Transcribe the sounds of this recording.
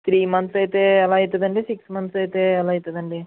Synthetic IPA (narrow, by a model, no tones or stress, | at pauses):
t̪ʰɾiːmɐnt̪sɐjt̪eːɛlaːit̪ːɐd̪ɐɳɖisiksmɐnt̪sɐjt̪eːɛlaːit̪ːɐd̪ɐɳɖi